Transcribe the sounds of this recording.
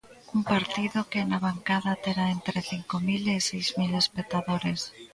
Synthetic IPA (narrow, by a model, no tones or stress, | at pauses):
umpaɾt̪iðokeːnaβaŋkaðat̪eɾaent̪ɾeθiŋkomilesejzmile̞spek̚t̪aðoɾe̞s